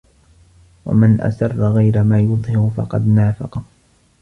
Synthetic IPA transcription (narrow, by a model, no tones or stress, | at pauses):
wa̰manʔa̰sɑrˤːaɣajɾamaːjʊðˤhɪɾʊfɑ̰qɑd̪naːfɑqɑ